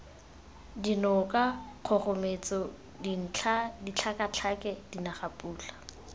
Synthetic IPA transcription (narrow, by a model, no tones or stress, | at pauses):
dinɔkaq͡χʰɔχʊmet͡sɔ | din̩ʰadit͡ɬʰakat͡ɬʰakɛdinaχapʼuːt͡ɬḁ